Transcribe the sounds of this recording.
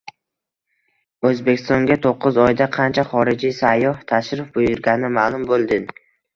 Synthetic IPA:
ɵzbekʲʰɪ̥st̪ɒŋɡʲat̪ʰoqʰːɨzɒjd̪aqʰɑnt͡ʃʰaχɒɾɪd͡ʒijsajːɒht̪ʰaʃɾɪfbojʊɾɡʲaɪmaːlˠʊmbolˠd̪ɪn

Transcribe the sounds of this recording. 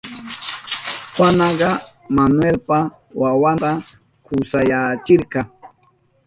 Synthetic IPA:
xanɑɢɑ | manwelpa | wawant̪a | kʊsajat͡ʃɪɾkɑŋ

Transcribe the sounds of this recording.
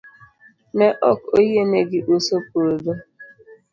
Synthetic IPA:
meʔɔkoɦemeɡɪʔusop̚oodo

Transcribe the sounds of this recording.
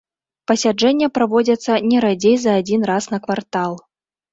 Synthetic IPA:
pɐsʲad͡ʐɛnʲːɛpɾavɔd͡zʲɐt̪sːɐnʲɛɾad͡zʲejzɐːd͡zʲin̪rasnɐkvart̪alˠ

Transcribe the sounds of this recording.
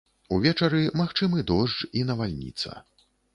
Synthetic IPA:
uvʲɛt͡ʂɐɾɨmaxt͡ʂɨmɨd̪ɔʐd͡ʐinɐvalʲnʲḭt̪sɐ̰

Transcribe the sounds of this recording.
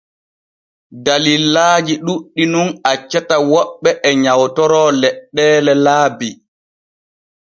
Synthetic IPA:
dalilaːd͡ʒiɗuɗːinunat͡ʃːatawɔɓːɛʔɛɲawtɔɾɔlɛɗːɛːlɛlaːbi

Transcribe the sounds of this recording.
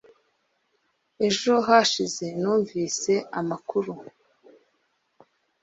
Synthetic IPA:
e̞ʒo̞ɦaʃize̞nuːɱviːse̞amakuɾu

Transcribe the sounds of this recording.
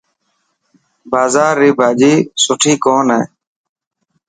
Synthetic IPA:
baːzaːɾːiːbʱaːd͡ʒiːsʊʈʰiːkoːnɦeː

